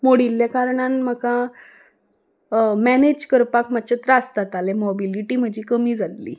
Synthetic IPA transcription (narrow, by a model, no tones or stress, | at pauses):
moɽiljakaɾɳanməkã | mɛned͡ʑkəɾpakmat͡ɕet̪ɾast̪at̪alemɔbiliʈiːm̤əd͡ʑiːkəmiːd͡zat̪lḭː